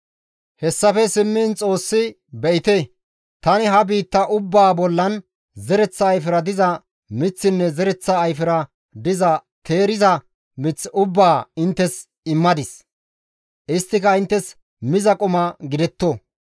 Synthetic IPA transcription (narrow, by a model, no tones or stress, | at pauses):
hɛsːɐfɛsɪmːɪːnt͡sʼo̞ːsːɪ | bɛʔɪt̪e | t̪ɐnɪɦɐbiːt̪ːɐʔʊbːaːbɔlːɐn | zɛɾɛt͡sːɐːjfɪɾɐd̪ɪzɐ | mɪt͡sːɪnːɛzɛɾɛt͡sːɐːjfɪɾɐ | d̪ɪzɐ | t̪ʰe̞ːɾɪzɐ | mɪt͡sːɪʊbːaːɪnt̪ːɛs | ɪmːɐd̪ɪs | ʔɪst̪ːɪkɐɪnt̪ːɛs | mɪzɐkʼʊmɐɡɪd̪ɛt̪ːoː